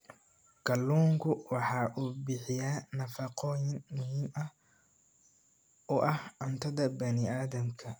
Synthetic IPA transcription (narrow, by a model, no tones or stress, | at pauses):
kʰɐlːuːŋkʰʊwɑħɑːʔuːbɪħɪjaːnɐfɐqɔjɪnmʊɦiːmɐ | ɔːʔɐhʊnt̪ʰɐðɐbɐnɪaːðɐmkʰɐ